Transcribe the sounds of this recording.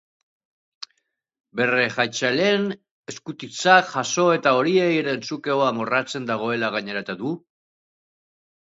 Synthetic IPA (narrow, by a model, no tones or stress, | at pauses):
be̞re̞ʝajt͡ʃalen | e̞skut̪it͡saʝaso̞e̞t̪ao̞ɾie̞jɾent͡suke̞oamorat͡se̞nd̪aɣ̞o̞e̞laɣ̞aɲe̞ɾat̪eðu